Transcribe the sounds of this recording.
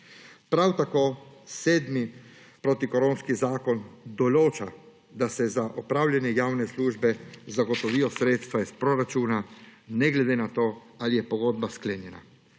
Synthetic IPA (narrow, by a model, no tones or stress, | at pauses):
pɾawt̪akoːseːd̪mi | pɾot̪ikɔɾoːnskizaːkɔnd̪ɔloːt͡ʃa | d̪asɛzaʔɔpɾaːwljanjɛjaːwnɛsluːʒbɛzaɡɔt̪ɔʋijɔsɾeːt̪st̪ʋaispɾoɾat͡ʃuːnanɛɡlɛd̪eːnat̪oː | alijɛpɔɡod̪̚baskleːnjɛna̰